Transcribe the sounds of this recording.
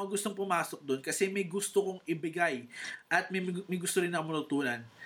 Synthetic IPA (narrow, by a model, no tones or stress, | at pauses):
ŋɐɡʊst̪oŋpʊmaːsok̚d̪o̞nkɐsɛmɐjɡʊst̪okoŋɪbɪɡajʔɐt̪̚mɐmɐjɡʊst̪oɾɪnːɐŋmɐt̪ːʊt̪uːnɐn